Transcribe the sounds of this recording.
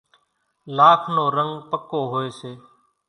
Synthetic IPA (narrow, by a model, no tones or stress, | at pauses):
laːkʰnoːɾəŋɡpəkoːɦoːeːseː